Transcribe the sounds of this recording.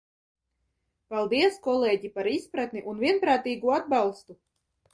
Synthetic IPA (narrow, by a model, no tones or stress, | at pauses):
palˠd̪iɛskɔlˠeːɟipaɾispɾat̪niʔunvʲiɛnpɾaːt̪iːɡuad̪balˠst̪u